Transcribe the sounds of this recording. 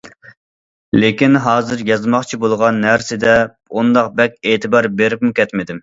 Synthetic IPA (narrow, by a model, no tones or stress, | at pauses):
lekʲinɦɑːzɨɾjɑzmɑχt͡ʃʰibolˠʁɑnːæɾsɪd̪ɛ | und̪ɑqbɛkʲeːt̪ʰɨbɑɾbeɾɪpmukʲʰɛt̪mɪd̪ɪm